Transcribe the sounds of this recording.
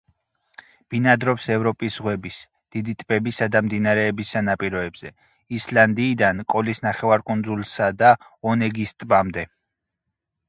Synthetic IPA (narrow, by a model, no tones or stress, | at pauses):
b̥inad̪ɾɔpsɛvɾɔpʼisʁwɛbis | d̪̥id̪it̪ʼbɛbisad̪amd̪inaɾɛːbisanapʼiɾɔɛbz̥ɛ | island̪iːd̪ankʼɔlisnaχɛvaɾkʼund̪zulˠsad̪a | ɔnɛɡist̪ʼbamd̪ɛ